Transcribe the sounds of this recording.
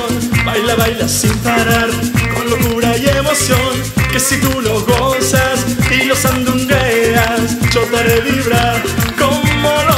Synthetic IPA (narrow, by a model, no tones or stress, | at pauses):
n | bajlaβajlasimpaɾaɾkonlokuɾajemo̞sjo̞ŋ | ke̞sit̪ulo̞ɦɣosasilo̞sand̪uŋɡeasʒ̥ot̪aɾeβiβɾaɾ | ko̞molo